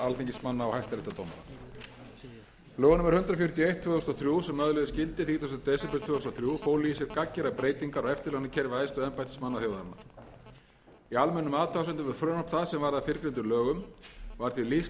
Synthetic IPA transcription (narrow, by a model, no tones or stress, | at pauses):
alfiɲcɪsmanːaɔhajst̪aɾɪt̪at̪ʰoːwmaɾa̰ | lœːɣʏnʏmɛɾ̥hʏnt̪ɾafjʏɾ̥t̪jɔejht̪ʰːvœːɔst̪ɔθɾjuːsɛmːœðlœðʏscɪlt̪ɪθiːt̪ʰast̪t̪ɛsɛpɛɾt̪ʰvɛːʏst̪ɔθɾjufoːwlijɪsjɛɾkacːɛɾapɾeːjt̪iŋkaɾɔɛft̪ɪlɛɣnacʰɛɾvaɛːst̪ʏðɛmpajt̪ɪ̥smanːaθjoːwðaɾna̰ | ialmɛnːʏmaːðt̪ʰawsʏnt̪ʏvɛðfɾœːnɔp̪θaðsɛmvaɾðafɪɾkɾɪnt̪ʏɾlœːɣʏmvaɾ̥θvilis